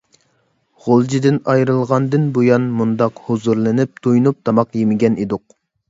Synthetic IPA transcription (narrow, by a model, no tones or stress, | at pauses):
ʁolˠd͡ʒid̪ɪnɑjɾɨlˠʁɑnd̪ɨnbojɑnmund̪ɑqhozuɾlˠɨnɪp̚d̪̥ojnup̚d̪ɑmɑqjemɪɡʲɛnid̪ʊq̚